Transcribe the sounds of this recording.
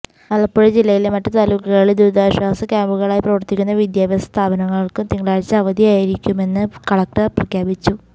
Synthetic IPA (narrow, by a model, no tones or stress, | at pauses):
ɐlːɐpːoːɻd͡ʑilːɐjilemɐtːɨt̪aːluːkːɐɣɐɭild̪uːd̪aːɕwaːsɐkʲjaːmbuɣɐɭaːjprɐʋɐrt̪ikʲːunːɐʋid̪jaːbɐst̪ʰaːbɐnɐŋːɐɭkɨt̪iŋːɡɭaːɻt͡ɕːɐɐʋɐd̪ijaːjiɾikʲːume̞nːɨkɐɽɐk̚ʈɐprɐkʰjaːbit͡ɕːu